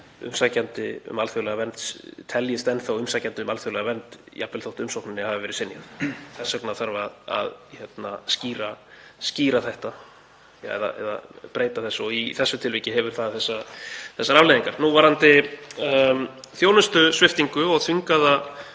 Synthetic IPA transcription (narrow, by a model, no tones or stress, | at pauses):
ʏ̰msacant̪ɪʏ̰malθjowlɛɣavɛnt̪st̪ʰɛljɪst̪ɛnθawʏmsaːcant̪ɪmalθjowlɛɣavɛnt̪ | japvɛlθowht̪ʏmsowhknʏnːɪhavɪvɛːɾɪsɪnja̰θθɛsːaknaθaɾvaða̰ðçɛt̪nasciːɾasciːɾaθɛht̪a̰ | ɛ̰ða̰ɛ̰ða̰pɾeːjt̪aθɛsːɔiθɛsːʏt̪ʰɪlviːcɪɦɛvʏɾ̥θaðθɛsːaθɛsːaɾavlejðiŋkaɾ̥nuvaɾhant̪ɪ | θjoːwnʏst̪ʏsvɪft̪iŋkʏɔɣθʏŋkaða